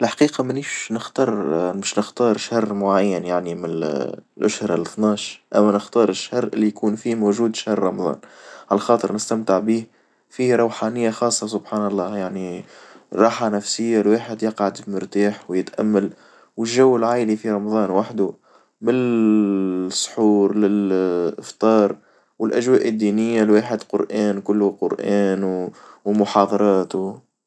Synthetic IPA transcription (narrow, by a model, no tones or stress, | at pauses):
ɪlħḁqiːqɑmɪniʃnɪxt̪ɑɾˤmɪʃnɪxt̪ɑːɾˤʃɑrˤːmʊʕajːanjaʕnimɪnlʔʊʃhɾˤalɪθnɑːʃʔæmːænɪxt̪ɑːɾˤɪʃhɑɾʔɪ̰lːijkuːnfiːmoːʒuːd̪ʃahɾːˤɑmɑðˤɑ̰ːnʕalæxɑːt̪ˤəɾnɪst̪æmt̪ɪʕbiːh | fiːɾˤɑwħaːnɪjːaxɑːsˤːɑsʊbħaːnɑlˤːɑːjaʕnirˤːɑːħanæfsɪjːalwaːħɪd̪jɑqʕad̪fimɪɾt̪aːħwjɪt̪ʔæ̰mːal | wɪlʒːawːɪlʕaːjlifiɾˤɑmɑðˤɑːnwaħd̪u | mɪn | sˤːħuːɾlɪlɪft̪ˤɑːɾˤ | wɪlʔæʒwæːʔɪd̪ːiːnɪjːalwaːħɪd̪qʊɾʔæːnkʊlːʊqʊɾʔæːnwmʊħɑːðˤɑɾˤɑːt̪ʊ